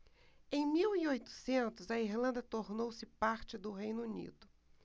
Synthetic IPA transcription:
ẽj̃miwiojt̪ʊ̥sẽnt̪ʊzɐiɾlɐ̃nd̪ɐt̪oɾnowsɪpaɾt͡ʃɪd̪ʊɦejnʊunḭd̪ʊ

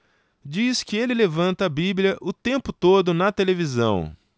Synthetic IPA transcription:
d͡ʒiskɪelɪlevɐ̃nt̪ɐːbiblʲjɐʔʊt̪ẽmpʊt̪od̪ʊnɐt̪elevizɐ̰̃w̃

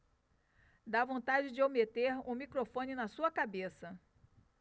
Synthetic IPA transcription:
d̪avõnt̪ad͡ʒɪd͡ʒɪomet̪eɾũmikɾofõnɪnɐsuɐkabesɐ

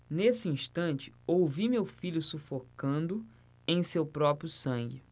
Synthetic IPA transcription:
nesɪĩʃt̪ɐ̃nt͡ʃɪ̥owvimewfiʎʊsufokɐ̃nd̪ʊ | ẽj̃sewpɾɔpɾjʊsɐ̃ŋɡɪ

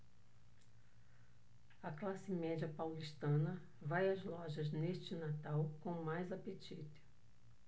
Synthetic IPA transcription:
ɐklasɪmɛd͡ʒiɐpawliʃt̪ɐ̃nɐ | vajɐzlɔʒɐzneʃt͡ʃɪnat̪awkõmajzapet͡ʃit̪ɪ̥

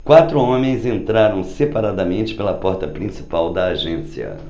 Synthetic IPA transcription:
kwat̪ɾʊõmẽj̃zẽnt̪ɾaɾɐ̃w̃sepaɾad̪ɐmẽnt͡ʃɪ̥pelɐpɔɾt̪ɐpɾĩsi̥pawd̪ɐːʒẽsiɐ̰

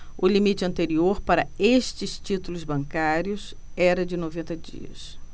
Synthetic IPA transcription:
ʊlimit͡ʃɪɐ̃nt̪eɾioɾpaɾɐest͡ʃɪst͡ʃit̪ulʊzbɐ̃ŋkaɾjʊs | ɛɾɐd͡ʒɪnovẽnt̪ɐd͡ʒḭɐ̰s

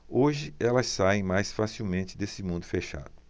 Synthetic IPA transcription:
oʒɪɛlɐsːaẽj̃majsfasiwmẽnt͡ʃɪd̪esɪmũnd̪ʊfeʃa̰d̪ʊ

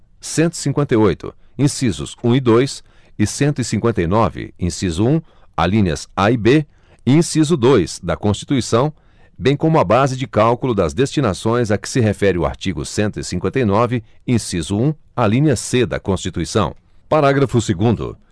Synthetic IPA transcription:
sẽnt̪ʊi̥sĩŋkwẽnt̪ɐjojt̪ʊ̰ĩsizʊ̰zũid̪ojs | ɪsẽnt̪ʊɪsĩŋkwẽnt̪ɐjnɔvɪ̰ĩsizʊũ | a̰lĩniɐ̰saibe | ɪĩsizʊd̪ojsd̪ɐkõst͡ʃi̥t̪uisɐ̃w̃ | bẽj̃kõmʊɐbazɪd͡ʒɪkawkulʊd̪ɐzd̪est͡ʃinasõj̃zɐkɪ̥sɪɦefɛɾɪʊa̰ɾt͡ʃiɡʊ̰sẽnt̪ʊisĩŋkwẽnt̪ɐjnɔvɪĩsizʊũalĩnʲɐsed̪ɐ̰kõst͡ʃit̪uisɐ̃w̃ | paɾaɡɾɐfʊseɡũnd̪ʊ̰

